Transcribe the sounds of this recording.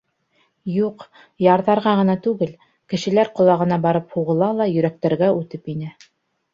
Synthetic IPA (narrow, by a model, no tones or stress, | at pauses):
juq | jɑɾðɑɾʁɑʁɤ̆nɑt̪ʉɡɘl | kɘ̆ʃɘ̆læɾqŏlˠɑʁɤ̆nɑbɑɾɤphuʁɤ̆lˠɑlˠɑjɵ̆ɾæk̚t̪æɾɡæʉt̪ɘpinɘ